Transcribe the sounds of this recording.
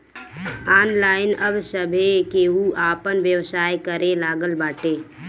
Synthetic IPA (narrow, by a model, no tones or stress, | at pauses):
aːnlaːɪnəbsəbʱekeɦuʔaːpənʋjəwsaːjkəɾelaːɡəlbaːʈeː